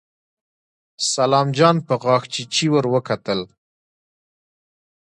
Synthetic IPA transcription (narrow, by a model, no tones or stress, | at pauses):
salɑmd͡ʒɑnpəɣɑxt͡ʃit͡ʃiwəɾwəkat̪əl